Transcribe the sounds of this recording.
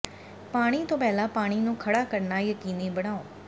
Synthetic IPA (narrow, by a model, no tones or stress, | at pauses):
paːɽ̃iːt̪õːpɛːlãːpaːɽ̃iːnũːkʰəɽaːkəɾnaːjəkiːniːbəɽ̃ãːõː